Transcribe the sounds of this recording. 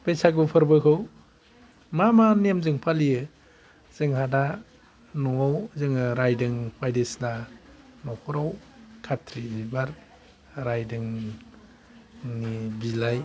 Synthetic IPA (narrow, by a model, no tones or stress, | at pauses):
pejsaɡɯpʰɯɾbɯkʰɯw | mamaniemzɯŋpʰaliɯ | z̥ɯŋhada | nɔawzɯŋɯɾajdɯŋpʰajdesnanɔkʰɔɾawkʰatʰɾibaɾ | ɾajdɯŋ | nibilaj